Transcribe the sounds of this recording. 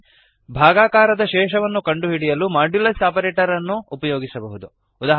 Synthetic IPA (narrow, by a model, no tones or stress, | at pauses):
bʱaːɡaːkaːɾɐd̪ɐʃɛːʃɐʋɐnːukɐɳɖuɦiɽijɐlumaːɖulɐsaːpɐɾeːʈɐɾɐnːuːpɐjoːɡisɐbɐɦud̪u | ud̪aːɦ